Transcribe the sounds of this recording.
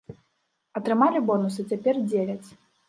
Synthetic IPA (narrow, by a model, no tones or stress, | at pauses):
ɐt̪ɾɨmalʲibɔnusɨt͡sʲapʲɛrd͡zʲevʲɐt͡sʲ